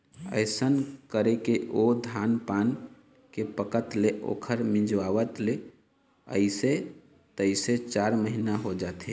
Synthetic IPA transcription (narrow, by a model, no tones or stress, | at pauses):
ə̰ɪsənkəɾekeʔod̪ʱaːnpaːn | kepəkət̪leʔo̰ːkʰəɾmɪ̃d͡ʒʋaːʋət̪le | ə̰ɪse | t̪əɪset͡ʃaːɾməɦinaɦod͡ʒaːt̪ɦe